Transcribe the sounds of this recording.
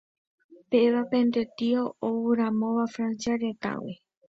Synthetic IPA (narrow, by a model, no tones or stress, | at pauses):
peeβapẽnd̪et̪ioowɨɾãmõʋafɾãnt͡ʃaɾet̪a̰wḛ